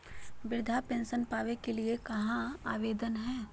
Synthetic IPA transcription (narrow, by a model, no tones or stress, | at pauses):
bɪɾd̪ʱapẽːnʃənpaːʋekeliekɐɦãaːʋeːd̪ənɦɛː